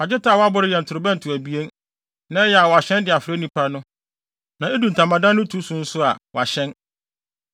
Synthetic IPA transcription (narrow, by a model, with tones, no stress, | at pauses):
a˨d͡ʑɪ˦tʰa˦˨wɔ˦a˦bʊ˦ɾɪ˦jɛ˨n˨tʰʊ˨ɾʊ˨bɛ̃˦n˨tʰʊ˨æ˨bi˦e˦n | nã˦jɛ˨a˨wɔ˨a˨ɕɛ̃˦ndɪ˨a˨fɪ˨ɾe˦nĩ˦pʰa˦nʊ̃˦ | nã˨e˦du˨n̩˨tʰã˨mã˨dã˦nːʊ̃˦tʰu˨˦sũ˨˦n̩˦sʊ˦a̰˨wɔ˨a˨ɕɛ̃˦n